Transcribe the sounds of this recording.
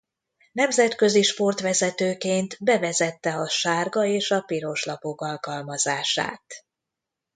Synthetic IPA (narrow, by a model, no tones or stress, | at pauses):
nɛmzɛt̪kø̞ziʃpo̞rt̪ʋɛzɛt̪øːkeːnt̪bɛvɛzɛt̪ːɛɒʃaːrɡɒeːʃɒpiɾo̞ʃlɒpo̞kɒlkɒlmɒzaːʃa̰ːt̪